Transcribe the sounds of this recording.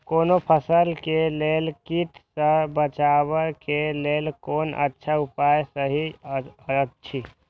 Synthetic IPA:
koːnopʰəsəlkeleːlkit̪səbət͡ʃawəkeleːlkoːnə̰tːʃʰaupajsəɦi | ətːʃʰi

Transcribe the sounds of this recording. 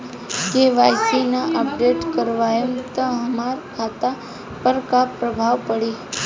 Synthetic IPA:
keʋajsinaʔəp̚ɖeʈkəɾʋajəmt̪ə̃ɦəmaɾkʰat̪a | pəɾkapɾəbʱaʋpəɽi

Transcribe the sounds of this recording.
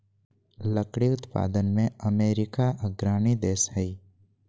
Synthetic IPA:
ləkɽiʊt̪pa̰ːd̪ənmẽəmeːɾɪkaʔəɡɾaːñid̪eːsɦəi

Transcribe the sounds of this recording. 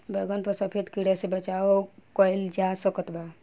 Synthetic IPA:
bʱəɡənpəɾsəpʰet̪kiɽəsebət͡ʃaokəjld͡ʒasəkət̪ba

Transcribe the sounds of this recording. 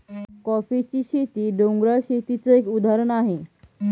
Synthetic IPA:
kɔfit͡ɕiːɕet̪iːɖõŋɡɾaɕet̪it͡səekud̪ʱaɾəɳaɦe

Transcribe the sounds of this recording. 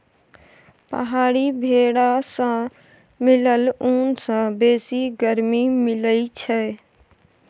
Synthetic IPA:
pəɦaːɽibʱeːɽasã | mɪləluːnsãbeːsiɡəɾmimɪləit͡ʃʰɛ

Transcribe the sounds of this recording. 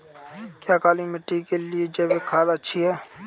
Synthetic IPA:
kjaːkaːlimɪʈːikelied͡ʒəbekʰaːlaətːʃʰiɦɛː

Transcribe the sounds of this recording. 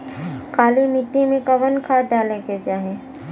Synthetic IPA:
kaːlimɪt̪ːimẽkɐʋənkʰaːd̪aːleked͡ʒaːɦẽ

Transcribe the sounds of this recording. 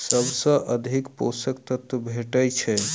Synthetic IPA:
səbsə̃ʔəd̪ʱikpo̰sək̚t̪ət̪əbʱeʈəjt͡ʃʰɛ

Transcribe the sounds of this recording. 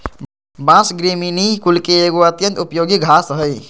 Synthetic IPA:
bãsɡɾiminikulkeeɡoət̪jə̃nt̪upjoːɡiɡʱasɦəj

